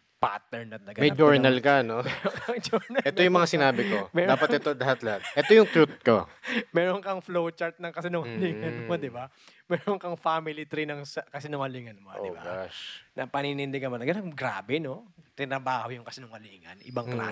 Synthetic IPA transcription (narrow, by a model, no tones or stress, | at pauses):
pa̰ːt̪ɛɹnɐt̪̚lɐɡɐmɐjd͡ʒoɹnɐlkɐnomɛɾoŋkɐŋd͡ʒoɹnɐlʔɛojʊŋmɐŋasɪnaːbɪkomɛːɾdaːpɐt̪ʔɛt̪olɐhat̪lɐhat̪̚ʔɛt̪ojʊŋt̪ɾut̪̚ko̞̰mɛːɾoŋkɐŋflowt͡ʃaɹt̪̚nɐŋkɐsɪnʊŋɐliŋɐnmod̪ɪba | mɛːɾoŋkɐŋfaːmɪlit̪ɾinɐŋsɐkɐsɪnʊŋɐliŋɐnmoʔoɪ̰ba̰ɡaʃnɐpɐninɪnd̪ɛkɐmɐnɐɡɐnɐŋɡɾaːbɛnot̪ɪnɐbaːhowjʊŋkɐsɪnʊŋɐliːŋɐ̰nʔɪbɐŋkla̰ː